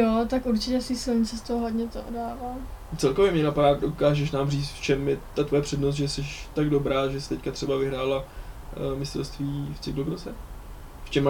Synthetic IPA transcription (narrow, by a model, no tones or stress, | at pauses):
jot̪akuɾt͡ʃɪcɛsviːsɪlɲit͡sɛst̪oɦoɦodɲɛt̪oʔo̰daːvaːtt͡sɛlkovjɛmɲɛnapadaːdokaːʒɛʃnaːmriːt͡st̪ft͡ʃɛmjɛt̪at̪vojɛpr̝̥ɛdnost̪ʒɛsɛʃt̪aɡdo̞bɾaːʒɛsɪ̥t̪ɛckat̪r̥ɛbavɪɦɾaːla | mɪst̪ɛ̰lst̪viːft͡sɪkluɡɾosɛ | ft͡ʃɛm